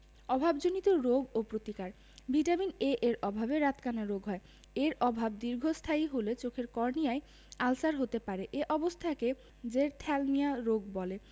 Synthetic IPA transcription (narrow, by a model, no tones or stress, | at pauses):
ɔbʱabd͡ʑonit̪oɾoɡopɾot̪ikaɾ | biʈamineʔeɾɔbʱabeɾat̪kanaɾoɡɦɔe | eɾɔbʱab̚d̪iɾɡʱost̪ʰaiɦolet͡ɕokʰeɾkɔɾnijae | alsaɾɦot̪epaɾeʔeʔɔbost̪ʰake | d͡ʑeɾt̪ʰɛlmijaɾoɡ̚bɔle